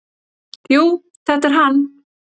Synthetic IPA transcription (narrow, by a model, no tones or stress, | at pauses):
juː | θɛt̪ɛɾɦan